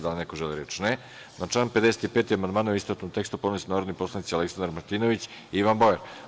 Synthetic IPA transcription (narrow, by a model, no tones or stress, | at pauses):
d̪alinekoʒeliɾet͡ʃne | nat͡ʃaːnped̪eset̪ipet̪iamand̪maːnooisp̪ɾat̪ot̪e̞kst̪upod̪nisnaːɾod̪niposlˠanit̪sialeksand̪ɾmaɾt̪iːnoʋit͡ɕiiʋanboeɾ